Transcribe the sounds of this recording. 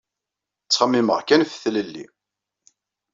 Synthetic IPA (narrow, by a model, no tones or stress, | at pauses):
t͡sːχəmːiməʁkænfθləlːḭ